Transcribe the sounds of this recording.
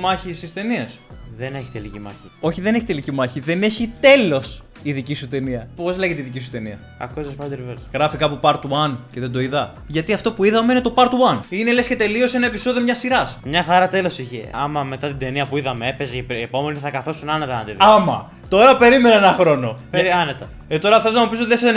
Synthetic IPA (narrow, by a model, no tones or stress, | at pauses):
mɐçisist̪e̞niɐsðene̞çi̥t̪elicimɐ̰çio̞çiðene̞çit̪e̞licimɐçiðe̞ne̞çit̪e̞lo̞s | iðicisut̪e̞niɐpo̞zleʝet̪eiðicisu̥t̪e̞niɐ | ɐ̰kozespɐd̪ɾvesɣɾɐfikɐpupɐɾt̪wɐnce̞ðed̪o̞iðɐ | ʝɐt̪iɐft̪o̞puiðɐme̞ine̞t̪o̞pɐɾt̪wɐnine̞lesce̞t̪e̞lio̞se̞nɐe̞piso̞ðiomɲɐsiɾɐsmɲɐxɐɾɐt̪e̞lo̞siçḛɐ̰mɐme̞t̪ɐt̪id̪e̞niɐpuiðɐmeepezipepo̞meniθɐkɐθo̞sunɐnɐt̪ɐnɐt̪iðɐmɐ̰ | t̪o̞ɾɐpe̞ɾime̞nɐenɐxɾo̞no̞eɐnet̪ɐ | et̪o̞ɾɐθe̞lznɐmupis̬ot̪iðese